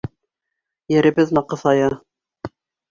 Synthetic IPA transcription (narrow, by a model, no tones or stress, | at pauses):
jɘ̆ɾɘ̆bɘðnɑqɤ̆θɑjɑ